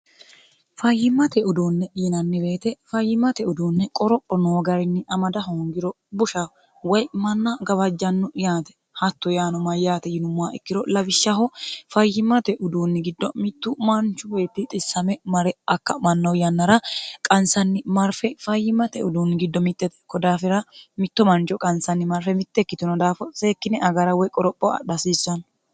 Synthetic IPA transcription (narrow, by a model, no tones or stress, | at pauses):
fɐjːɪmːɐt̪ɛʊd̪uːnːɛᶑiːnɐnːɪbe̞ːt̪ɛfɐjːɪmːɐt̪ɛʊd̪uːnːɛkʼɔɾɔpʼːɔnoːɡɐɾɪnːɪʔɐmɐd̪ɐɦoːŋɡɪɾɔ | bʊʃɐ | wɔjmɐnːɐɡɐβɐd͡ʒːɐnːʊjaːt̪ɛ̥ | hɐt̪ːɔjaːnɔmɐjaːt̪ɛjɪnʊmːaːɛkːɪɾɔlɐbɪʃːɐɦɔfɐjːɪmːɐt̪ɛʔʊd̪uːnːɪɡɪd̪ːɔmɪt̪ːʊmɐnt͡ʃːʊwɔjt̪ːɪt̪ʼɪsːɐmɛmɐɾɛɐkːɐmɐnːɐwjɐnːɐɾɐkʼɐnsɐnːɪmɐɾfɛfɐjːɪmːɐt̪ɛʊd̪uːnːɪɡɪd̪ːɔmɪt̪ʼːɛt̪ɛ̥kːɔd̪aːfɪɾɐmɪt̪ːɔmɐnt͡ʃɔkʼɐnsɐnːɪmɐɾfɛmɪt̪ːɛkːɪt̪ʊnɔd̪aːfɔseːkːɪnɛʔɐɡɐɾɐwɔjkʼɔɾɔpʼːɔɐ̰ɗɐsiːsːɐn